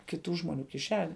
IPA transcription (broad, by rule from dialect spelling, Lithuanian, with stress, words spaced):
kʲɪˈtuː ʒmoːˈnʲuː kʲɪˈʃʲæːnʲɛ